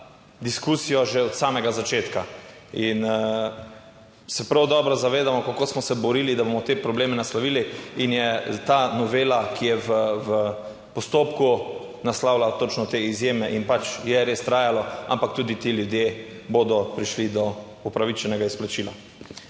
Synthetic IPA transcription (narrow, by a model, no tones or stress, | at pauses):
d̪iskusijɔʒɛɔt̪saːmɛɡazat͡ʃeːt̪ka | in | sɛpɾawd̪ɔːbɾɔzaʋeːd̪amɔkakoːsmɔsɛbɔɾiːlid̪abomɔt̪epɾɔbleːmɛnaslaʋiːliinjɛt̪anɔʋeːlakʰijɛʋəvə | pɔst̪oːpku | naslawlat̪ot͡ʃnɔt̪eizjeːmɛʔinpat͡ʃjɛɾest̪ɾaːjalɔa̰mpak̚t̪uːd̪it̪eljud̪je | boːd̪ɔpɾiʃlid̪ɔ | upɾaʋit͡ʃɛnɛɡaisplat͡ʃila